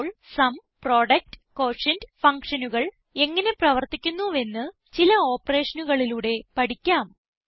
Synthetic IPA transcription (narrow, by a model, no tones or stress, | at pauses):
ɭsɐmpro̞ːɽɐk̚ʈko̞ːʂɐndfɐŋkʂɐnuɣɐɭ | e̞ŋːɐne̞prɐʋɐrt̪ikʲːunːue̞nːɨ | t͡ɕilɐo̞ːpːɐre̞ːʂɐnuɣɐɭiluːɽe̞pɐɽikʲːaːm